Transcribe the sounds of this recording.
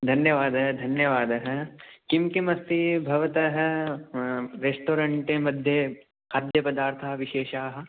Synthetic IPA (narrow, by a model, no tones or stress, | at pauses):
d̪ʱɐnjɐʋaːd̪ɐɦd̪ʱɐnjɐʋaːd̪ɐɦɐkimkimɐst̪ibʱɐʋɐt̪ɐɦ | ɾeːsʈoːɾɐɳʈemɐd̪ʱje | aːd̪ʱjɐpɐd̪aːɾt̪ʰaʋɪʃeːʃaːɦɐ̆